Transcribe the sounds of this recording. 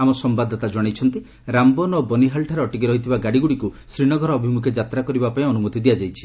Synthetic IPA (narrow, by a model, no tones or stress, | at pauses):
amɔsɔmbad̪ʱɔt̪ad͡ʒɔɽ̃ejt͡ʃʰɔnt̪i | ɾambɔnɔbɔniɦalʈʰaɾeɔʈik̬iɾɔɦit̪ʰibaɡaɽiɡuɽiku | sɾiɽ̃ɔɡʱɔɾɔːbʱimukʰed͡ʒat̪ɾakɔɾibapaĩɔnumɔt̪id̪ijad͡ʒajt͡ʃʰi̥